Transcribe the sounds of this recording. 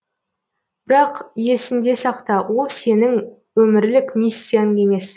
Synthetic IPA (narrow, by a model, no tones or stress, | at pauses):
b̥ɪɾɑqje̞sɪnd̪e̞sɑqt̪ɑwo̞lˠse̞nɪŋ | wɵmɪɾlɪkmʲisːijanəe̞me̞s